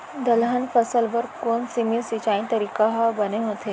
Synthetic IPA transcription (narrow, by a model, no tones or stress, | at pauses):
d̪əlɦanfəsəlʋəɾkonsimijəsit͡ɕaĩnt̪əɾikaɦabəneɦot̪ʰe